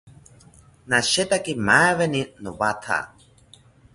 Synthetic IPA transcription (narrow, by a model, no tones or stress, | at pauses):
naʃet̪akimaeβeninoβat̪ʰa̰